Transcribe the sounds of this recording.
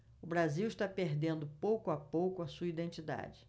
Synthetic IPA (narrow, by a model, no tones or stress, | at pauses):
ʊbɾaziwɪʃt̪apeɾd̪ẽnd̪ʊpowkʊapowkʊɐsuɐid̪ẽnt͡ʃid̪a̰d͡ʒɪ